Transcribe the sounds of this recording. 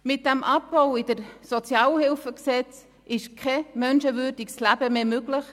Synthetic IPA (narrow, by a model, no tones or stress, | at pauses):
mɪt̚d̥æmʔɑp̚boʊɪd̥əɾsɔt͡sjɑːləhɪlfəksɛt͡s | ʔɪʃkʰɛmœnʃəʋʏːɾdikslæb̥əmeːmøɡləχ